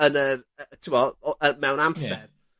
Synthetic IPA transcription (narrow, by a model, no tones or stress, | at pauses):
ənərətʰuwɔəmɛwnamsɛr